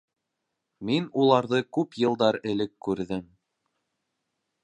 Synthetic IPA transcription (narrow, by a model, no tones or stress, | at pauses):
minulˠɑɾðɤkʉpjɤ̆lˠd̪ɑɾɘ̆lɘkːʉɾðɘm